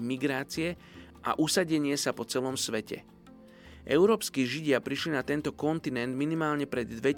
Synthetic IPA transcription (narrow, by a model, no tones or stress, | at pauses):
miɡɾaːt͡siɛ | ʔa̰ʔusaɟɛɲɪɛsapɔt͡sɛlɔmsʋɛcɛ̰ | ʔɛ̰ʊɾɔːpskiːʒiɟɪapɾiʃlinat̪ɛnt̪ɔkɔnt̪inɛnd̪minimaːlɲɛpɾɛd̪ːʋɛ